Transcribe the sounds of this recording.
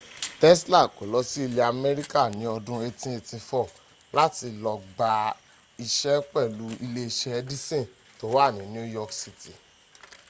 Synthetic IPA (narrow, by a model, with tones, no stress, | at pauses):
tɛ˦sla˦˨ko˨˦lɔ˧˦si˦i˧le˧a˧mɛ˦ɾi˦ka˦˨nĩ˨˦ɔ˧dũ˧˦e˧tĩ˦e˧tĩ˧fɔ˦˨ | la˦ti˧lɔ˧ɡ͡ba˧ | i˧ʃɛ˦k͡pɛ˦˨lu˨˦i˧le˧i˧ʃɛ˦˧di˦sẽ˦˨ | to˨˦wa˦˨nĩ˨˦nĩ˦o˦jɔ˦˧ksi˧ti˨